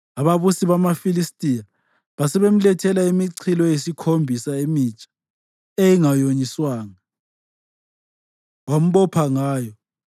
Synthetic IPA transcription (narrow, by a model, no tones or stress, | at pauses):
aβaβusiβamafilistʼija | βasɛβem̩lɛtʰɛlaimiǀʰilɔjesikʰombʱisaemit͡ʃʼḁ | eiŋajoɲiswaːŋa | wam̩βɔpʰaŋaːjɔ